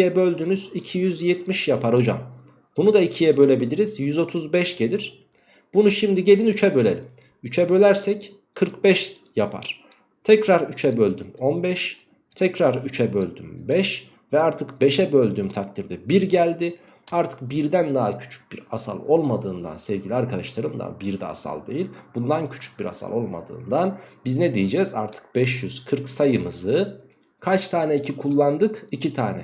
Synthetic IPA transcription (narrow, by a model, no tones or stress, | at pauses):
jɛbø̞lʲd̪ynyzicʰijyzjɛt̪miʃjapʰaɾo̞d͡ʒa̰m | b̥unud̪aicʰijɛbø̞lʲe̞bilʲiɾizjyzo̞t̪ʰuzbɛʃɟe̞lʲiɾ̥ | b̥unuʃimd̪iɟe̞lʲinyt͡ʃʰɛbø̞lʲḛlʲim | yt͡ʃʰɛbø̞lʲæɾsɛc | kʰɯɾkbɛʃ | japʰa̰ɾ̥ | t̪ʰɛcɾaɾyt͡ʃʰɛbø̞lʲd̪ymo̞nbɛʃ | t̪ʰɛcɾaɾyt͡ʃʰɛbølʲd̪y̰mbɛʃ | vɛaɾt̪ʰɯkbe̞ʃɛbølʲd̪yːmt̪ʰak̚t̪ʰiɾd̪ɛbiɾɟælʲd̪ɪ | aɾt̪ʰɯ̥k̚biɾd̪ænd̪aɦacʰy̥t͡ʃʰy̥c̚biɾasa̰lˠo̞lˠmad̪ɯːnd̪a̰nsɛvɟilʲiaɾkʰad̪aʃlˠaɾɯmd̪a̰biɾd̪ɛ̰ːsa̰lˠd̪e̞jilʲb̥und̪ancʰy̥t͡ʃʰy̥c̚biɾa̰sa̰lˠo̞lˠma̰d̪ɯ̰ːnd̪anbizned̪ejid͡ʒɛza̰ɾt̪ʰɯ̥k̚bɛʃjyz̥kʰɯɾksajɯmɯzɯ | kʰat͡ʃt̪ʰaːnʲɛicʰikʰulˠːand̪ɯkicʰit̪ʰaːnɛ